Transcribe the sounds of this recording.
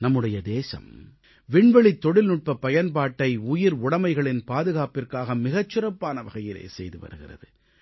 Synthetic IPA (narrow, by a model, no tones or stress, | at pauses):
nɐmːɯɽɐjɐd̪eːsɐ̰m | ʋɪɳʋɐɭit̪ːɔɽɪlnʊʈ̚pɐpɐjɐnpaːʈːɐɪʊjɪɾʊɽɐmɐɪɣɐɭɪnpaːðɯɣaːpɪrkaːɣɐmɪɣɐt͡ʃːɯɾɐpːaːnɐʋɐɣɐjɪlḛːsɛjðɯʋɐ̰ɾɯɣɪ̰rɐ̰ðɯ